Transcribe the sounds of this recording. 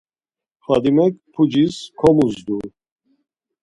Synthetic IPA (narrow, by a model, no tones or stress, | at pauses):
fad̪imɛk̚pʰud͡ʒiskʰɔmuzd̪u